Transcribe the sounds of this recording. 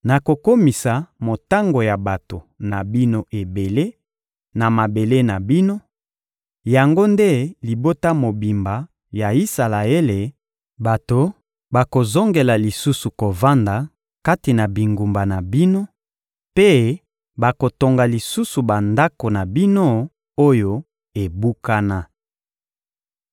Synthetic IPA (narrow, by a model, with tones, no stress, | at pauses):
na˨ko˨ko˦mi˨sa˨mo˨ta˦ŋɡo˨ja˨ba˨to˨na˨bi˦no˦ʔe˨be˨le˦ | na˨ma˨be˨le˦na˨bi˦no˦ | ja˨ŋɡo˦nde˦li˨bo˦ta˦mo˨bi˨mba˨ | ja˨i˦sa˨la˨e˦le˨ | ba˨to˨ | ba˨ko˨zo˦ŋɡe˨la˨li˨su˦su˨ko˨va˦nda˨ | ka˦ti˨na˨bi˨ŋɡu˨mba˨na˨bi˦no˦ | pe˦ | ba˨ko˨to˨ŋɡa˨li˨su˦su˨ba˨nda˦ko˨na˨bi˦no˦ | o˦jo˦ | e˨bu˦ka˦na˦